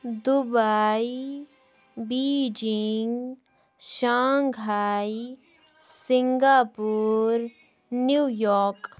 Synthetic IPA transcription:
d̪ubai | biːd͡ʒɪŋɡ | ʃaːŋɡɦaːi | sɪ̃ŋɡaːpuːɾ | njuːjɔːɾk

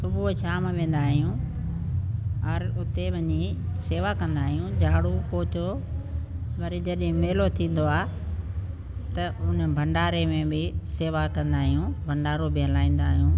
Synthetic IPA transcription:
sʊbʱuʃaːmʋẽːn̆d̪aːɦijũː | ɐɾʊt̪eʋɐɲiseːʋakɐ̃nd̪aːɦijũd͡ʑaːɽupoːt͡ɕo | ʋɐɾid͡ʑɐɗɦɪ̃meːlot̪ʰĩːn̆d̪oaː | t̪ɐʊnbʱɐ̃ɳɖaːɾemẽbɪseːʋakɐ̃nd̪aːɦijũːbʱɐ̃ɳɖaːɾobʱɪɦəlaːĩːn̆d̪aːɦijũː

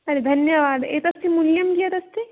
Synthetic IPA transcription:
ɐɾed̪ʱɐnjəʋaːd̪eːt̪ɐst̪ʰimʊljɐmkiɐt̪ɐst̪ʰi

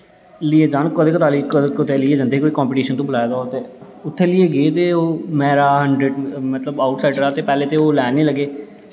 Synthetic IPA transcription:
lieːd͡ʒaːɳkod̪eːkət̪aːlikəkot̪eːlɪːeːd͡ʒənd̪eːkoːiːkãːmpɪːʈiːʃənt̪õːbəlaːjd̪aːoːt̪eː | ʊt̪ʰːeːlɪeːɡeːt̪eːoːmɛːɾaːɦəɳɖɾeːɖmət̪ləbaːʊʈsaːɪɖəɾaːt̪eːpɛːleːt̪eːoːlɛːneːləɡeː

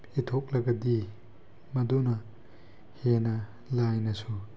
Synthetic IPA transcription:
itʰok̚lɐɡɐdi | mɐdonɐ | henɐ | lajnɐsu

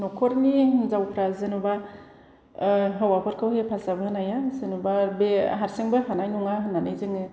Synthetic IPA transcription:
nɔkʰɔɾnizawpʰɾazɯnuba | ɦawapʰɯɾkʰawhepʰasabɯɯnajazɯnubabeɦaɾsiŋbɯɦanajnuŋaɦnanɯjzɯŋɯ

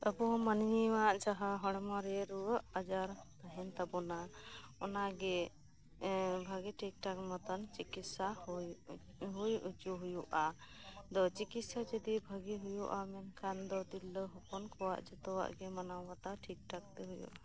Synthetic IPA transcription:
əbɔmaniwaʔd͡ʒaɦaɦɔɽ̃mɔɾɛɾuwəʔad͡ʒaɾt̪aɦɛnt̪abɔnaɔnaɡɛ | bʱaɡɛʈʰik̚ʈakmɔt̪ɔnt͡ʃikit̪sa | ɦujut͡ʃuɦujuʔa | d̪ɔt͡ʃikit̪sad͡ʒəd̪ibʱəɡiɦujuʔamɛnkʰand̪ɔd̪ilːəɦɔkɔnkʰɔwa̰ʔd͡ʒɛt̪ɔwa̰ʔɡɛmanawːat̪aʈʰik̚ʈak̚t̪ɛɦujṵʔa

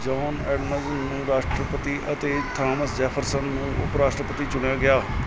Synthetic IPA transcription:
d͡ʒɔːnɛːɖməzənnũːɾaːʃʈɾəpət̪iːʔət̪eːt̪ʰɾaːməsd͡ʒɛːpʰəɾsənnũːʊpɾaːʂʈɾəpət̪iːt͡ʃʊɳjaːɡɪjaː

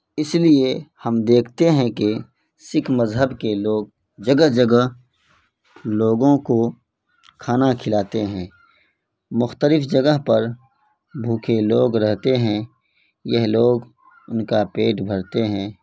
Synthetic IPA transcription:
ɪsliehɐmd̪eːkʰt̪eɦɛ̃ke | sɪkʰməzɦəbkeloːɡ̚ | d͡ʒəɡəɦd͡ʒəɡəɦ | loːɡõko | kʰaːnakʰɪlaːt̪eɦɛ̃ː | mʊxt̪əlɪfd͡ʒəɡəɦpɐɾ | bʱuːkʰeloːɡɾɛɦt̪eɦɛ̃ | jɛɦloːɡ | ʊnkapeːʈbʱɐɾt̪eɦɛ̃ː

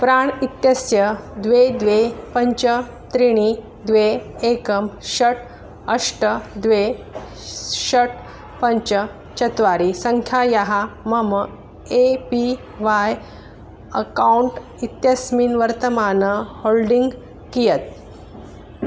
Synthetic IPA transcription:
pɾaːɳit̪jəsjəd̪ʋed̪ʋepəɲt͡ɕə | t̪ɾiɽ̃i | d̪ʋeekəmɕəʈʰ | əʂʈəd̪ʋe | ɕəʈ̚ | pəɲt͡ɕə | t͡ɕɐt̪ʋaɾisəŋkʰjajaɦaməmə | epi | ʋaj | əkauɳʈ | it̪jəsminʋəɾt̪əmanəholɖiŋɡ | kijət̪̚

